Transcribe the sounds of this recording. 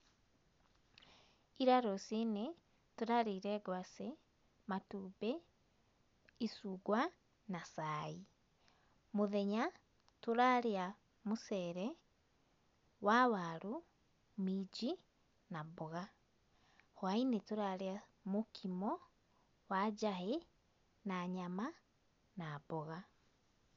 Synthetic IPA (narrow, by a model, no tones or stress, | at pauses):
iɾaɾosine | tuɾaɾiɾɛːɡwase | matuːbɛ | isuɡwa | nasai | muðeɲa | tuɾaɾia | musɛɾɛ | wawaɾu | mid͡ʒi | nabɔɣa | hwainetoɾaɾea | mokʰimɔ | wad͡ʒaɦe | naɲama | nabɔɣa